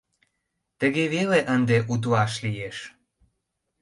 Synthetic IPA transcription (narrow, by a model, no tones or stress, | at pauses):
t̪əɣeβeleʔənd̪eʔut̪̬uɑʃlijeʃ